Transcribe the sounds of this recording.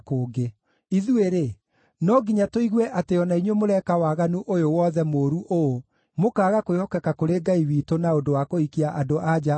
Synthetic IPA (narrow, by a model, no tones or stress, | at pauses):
koːɡe | iðueɾe | nɔɡiɲatoiɣwɛʔateɔnaiɲwemoɾɛkawaɣanuʔojowɔðɛmoːɾuʔo | mokaːɣakojɔkɛkakoɾeɡaiwiːtonaodowakoikiaʔadoʔad͡ʒa